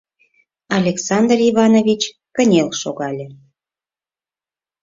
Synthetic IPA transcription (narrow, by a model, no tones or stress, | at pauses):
ɑlʲeksɑnd̪riβɑnovʲit͡ɕ | kənʲelʃoɣɑlʲe